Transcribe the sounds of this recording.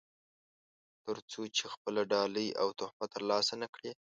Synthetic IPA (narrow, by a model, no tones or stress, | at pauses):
t̪əɾt͡sot͡ʃexpəlaɖɑləja̰wt̪ʊhbat̪əɾlɑsanakɽe